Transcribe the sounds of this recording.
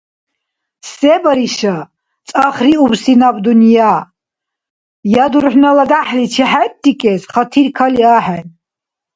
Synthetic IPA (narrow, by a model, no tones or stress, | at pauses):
sɛbɾiʃa | t͡sʼaχɾiubsinabd̪unja | jad̪uɾħnalad̪aħlit͡ʃʰiħat̪̚d̪ːikʼɛsχat̪ʰiɾkʰaliaːħɛn